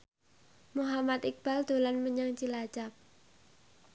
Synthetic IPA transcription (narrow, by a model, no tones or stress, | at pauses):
muɦamat̪ik̚b̥a̤ld̪̥o̤lanməɲaŋt͡ʃilat͡ʃap̚